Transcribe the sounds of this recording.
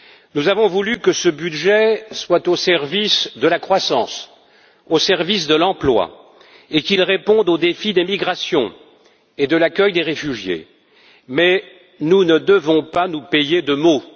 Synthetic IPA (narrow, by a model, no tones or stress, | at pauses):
nuzavɔ̃vulykəsəbyd̪ʒɛswat̪osɛʁvisd̪əlakχwasɑ̃s | osɛʁvis̬d̪əlɑ̃plwa̰ | ekilʁepɔ̃d̪od̪efid̪emiɡʁasjɔ̃ | ed̪əlakʲœjd̪eʁefyʒjḛ | mɛ | nunəd̪əvɔ̃panupejed̪əmo